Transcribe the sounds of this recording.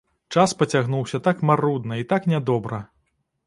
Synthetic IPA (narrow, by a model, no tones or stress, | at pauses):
t͡ʂaspɐt͡sʲaɣnuwsʲɐt̪akmarud̪nɐit̪aknʲɛd̪ɔbɾɐ